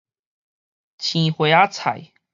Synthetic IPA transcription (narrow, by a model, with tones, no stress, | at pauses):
t͡ɕʰĩ˨˩xwe˨˧˦a˦t͡sʰa̰˨˩j